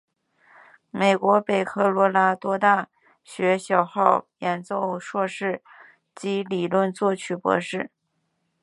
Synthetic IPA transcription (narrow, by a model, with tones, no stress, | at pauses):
me˨˩ɪkwɔ˧˥pe˨˩ɪkʰɤ˥˩lwɔ˧˥la˧˥t̪wɔ˥t̪a˥˩ | ɕɥɛ˧˥ɕjɑ˨˩ʊxɑ˥˩ʊjɛ˨˩nt͡so˥˧ʊʂwɔ˥˧ʂɻ̩˥˩ | t͡ɕi˧˥li˨˩lwə˥˧nt͡swɔ˥˩t͡ɕʰy˥˩pwɔ̰˧˥ʂɻ̩˥˩